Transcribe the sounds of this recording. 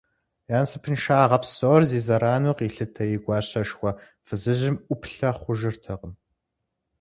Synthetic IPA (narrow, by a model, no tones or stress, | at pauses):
jaːnsɨpʰɨnʃaːʁɐpsorziːzɐɾaːnuːqiːɬɨtʰɐjɪɡʷɑːɕɐʂxʷɔ | fɨzɨʑɪmʷʊpʰɬɐχʷʊʒɪrtʰɐqəm